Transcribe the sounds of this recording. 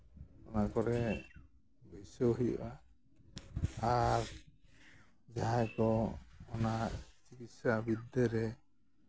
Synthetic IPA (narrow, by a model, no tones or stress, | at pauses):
ɔnakɔɾɛ | bɔjsɔɦḭba | aɾ | d͡ʒaɦajkɔɔnat͡ʃikit̪sabid̪ɛɾɛ